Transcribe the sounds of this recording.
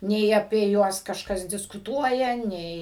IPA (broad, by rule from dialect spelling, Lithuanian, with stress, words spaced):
ˈnʲɛɪ ɐpʲiɛ ˈjuɔs kɐʃˈkɐs dʲɪskʊˈtuɔjɛ ˈnʲɛɪ